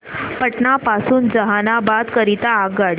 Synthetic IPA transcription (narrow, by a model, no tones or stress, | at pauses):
pəʈnapasuːnd͡zəɦanabat̪kəɾit̪aːɡɡaɽ